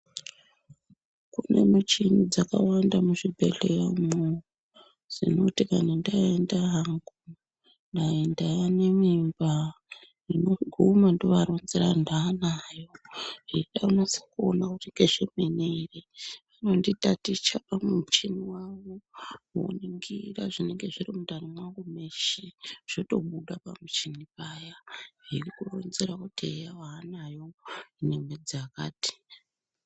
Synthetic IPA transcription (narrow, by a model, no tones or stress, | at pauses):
kune̞̰mut͡ʃinid͡zaka̰wandamuʐibʱḛɮejamu | z̥ḭno̞tikanandaendaɦaŋɡu | ndaendajanemimba | inoɡʱumandoʋaɾonzerandaːnajoiɗaunasḁkuonakutiŋɡeʐ̥emenereʋano̞nditatit͡ʃapamut͡ʃiniwaʋoo̰niŋɡiraʐineŋɡe̞ʐirimudarimwakomeʃiʐ̥oto̞ɓuɗapa̰mut͡ʃinipaːjairikuro̞̰nzeɾakutiejaʋaːnajo̞inemwed͡zakaːti̥